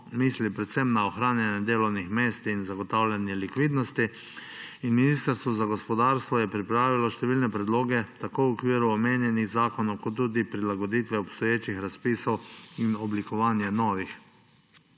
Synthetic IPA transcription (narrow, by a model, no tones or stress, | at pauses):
mislipɾɛt̪sɛmnaɔxɾaːnjanjɛd̪eːlɔwnixmeːst̪inzaɡɔt̪aːwlʲanjɛlikʋiːd̪nɔst̪i | inminist̪əɾst̪ʋɔzaɡɔspɔd̪aːɾst̪ʋɔjɛpɾipɾaːʋilɔʃt̪ɛʋiːlnɛpɾɛd̪loːɡɛt̪akoːwɔkʋiːɾuɔmeːnjɛniɣzaːkɔnɔwkɔt̪ːuːd̪ipɾilaɡɔd̪iːt̪ʋɛɔpst̪ɔjeːt͡ʃixɾaspiːsɔwinɔblikɔʋaːnjɛnɔːʋix